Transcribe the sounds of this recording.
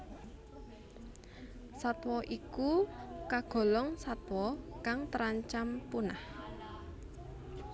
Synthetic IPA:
sat̪wɔʔikukaɡ̥ɔ̤lɔŋsat̪wɔkaŋt̪əɾaɲt͡ʃampunah

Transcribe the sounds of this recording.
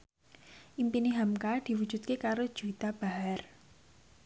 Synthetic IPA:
ʔimpiniɦamkad̪̥i̤wud̥ʒ̥ṳt̪̚kekaɾod̥ʒ̥ṳit̪ab̥a̤ɦar

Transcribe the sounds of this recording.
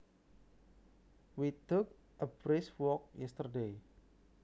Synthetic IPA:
wit̪ʊk̚ | ʔəb̥ɾɪswɔk̚jɛst̪ərde

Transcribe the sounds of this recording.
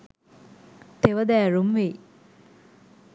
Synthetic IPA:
t̪eʋɐd̪æːɾumʋeː

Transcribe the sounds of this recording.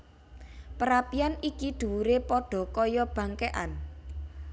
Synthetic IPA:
pəɾapianikid̪̥ṳwuɾepɔɖ̥ɔ̤kɔjɔb̥ä̤ŋkeʔa̰n

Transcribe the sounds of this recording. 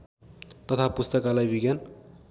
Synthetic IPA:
t̪ʌt̪ʰapust̪ʌkalajbiɡjan

